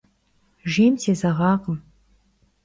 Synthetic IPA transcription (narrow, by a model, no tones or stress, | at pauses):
ʒemt̪ʰezɑʁɑqəm